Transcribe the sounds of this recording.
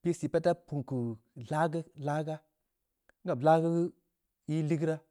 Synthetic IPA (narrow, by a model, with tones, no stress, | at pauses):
pi˦si˨pe˦ta˦pu˨ŋ˨ku˨ɮa˦ɡə˦la˦ɡa˦ | ŋ̩˦a˨bla˦ɡə˦ɡə˦ | i˦li˦ɡɾa˦